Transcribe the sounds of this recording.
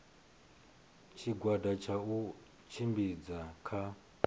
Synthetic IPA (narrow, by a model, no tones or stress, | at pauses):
t͡ʃʰiɡwadat͡ʃʰau | t͡ʃʰimbid͡zakʰa